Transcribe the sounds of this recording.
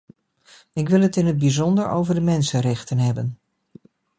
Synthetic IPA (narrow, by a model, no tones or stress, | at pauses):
ɪkʋɪlˠɦətɪnɦəd̚bizɔndəɹo̰wvəɹdəmɛnsənrɛχtənɦɛbən